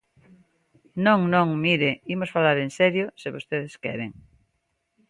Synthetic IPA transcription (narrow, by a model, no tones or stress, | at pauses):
nõŋnõŋmiɾeimosfalaɾensɛɾjosɪβost̪eðeskɛ̰ɾeŋ